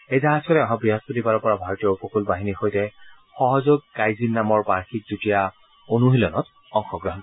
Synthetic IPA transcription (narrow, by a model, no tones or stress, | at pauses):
ejzaɦasɔɾɛɔɦãbɹiɦaspotipaɹɔpɔɹabʱaɹɔtijɔpɔkʰulbaɦinixojtɛ | xɔɦɔzoɡ̚kajzinːamɔɹpaɹxik̚zutija | onuɦilɔnɔt | ɔŋxɔɡɹɔɦɔn